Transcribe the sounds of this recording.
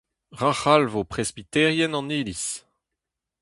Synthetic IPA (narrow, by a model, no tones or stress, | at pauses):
ʁaχalvopχɛzbit̪ɛʁjɛnɑ̃niːlis